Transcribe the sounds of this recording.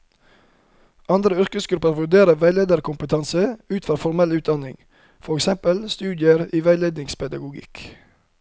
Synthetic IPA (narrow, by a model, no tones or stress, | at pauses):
ʔɑnd̪ɾəœɾkəsɡʉpəɾʋʉɖeːɾəʋæɪleːd̪əɾkʰʊmpət̪ʰɑnsəʉːt̪fɔɾfɔɾmɛlʉːt̪̚d̪ɑnɪŋ | fɔɾɛksɛmpəlst̪ʉːd̪jəɾiːʋæɪleːd̪nɪŋspʰɛd̪ɑɡʊɡɪ̰k